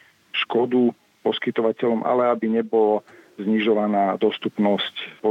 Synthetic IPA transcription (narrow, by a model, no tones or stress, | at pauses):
ʃkɔd̪u | pɔskit̪ɔʋacɛʎɔmʔa̰lɛabiɲɛbɔlɔ | zɲiʒɔʋanaːd̪ɔst̪upnɔscpɔ